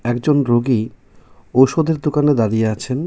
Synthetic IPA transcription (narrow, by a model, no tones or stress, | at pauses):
ɛkd͡ʑonɾoɡi | owʃod̪eɾd̪okaned̪aɾijeat͡ɕʰen